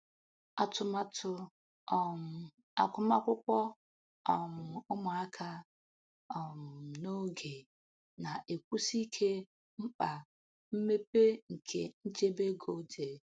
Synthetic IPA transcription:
a˦tʊ˨ma˦tʰʊ˨ | ɔ˨m̩˨ | a̰˨kʷʊ˦m˦a˦kʷʊ˦kʷɔ˦ | ɔ˨m̩˨ʊ˦mʊ˨a˦kʰa˦ | ɔ˨m˨no˦ɡe˨ | na˨ʔe˨kʷu˦si˦kʰe˦ | m̩˦k͡pa˨ | m̩˦me˦pe˦ŋ̩˨kʰe˨n̩˦t͡ʃe˦be˦ɡo˨˦d͡ʒe˨

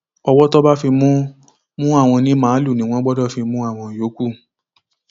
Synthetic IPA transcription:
ɔ˧wɔ˦tɔ˦ba˦fi˧mũ˦ | mũ˦a˦˨w̃ɔ̃˧nĩ˦mãː˨˦lu˦˨nĩ˨˦w̃ɔ̃˦ɡ͡bɔ˦dɔ˦˨fi˧mũ˦a˦˨w̃ɔ̃˧˨jo˨˦ku˦

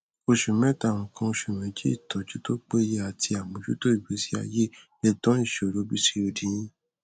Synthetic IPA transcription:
o˧ʃu˨mɛ̃˦tã˦˧˨ɔ̃˨kã˧o˧ʃu˨mɛ̃˨˦d͡ʒi˦i˦˨tɔ̃˨t͡ʃi˦to˦k͡pe˦je˦a˨ti˧a˨mõ˨˦d͡ʒu˦to˦i˦˨we˨˦si˦a̰˧je˦ | lɛ˧dɔ̃˦i˦˨ʃo˨ɾo˨˦bi˦si˦o˨dĩ˨j̃ĩ˦

